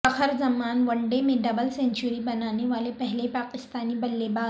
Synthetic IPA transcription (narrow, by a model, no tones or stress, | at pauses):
əxəɾd͡zəmanʋəɳɖemeɖəbəlseɲt͡ɕuɾiːbənaneʋalepəɦlepakist̪aniːbəlːebad̪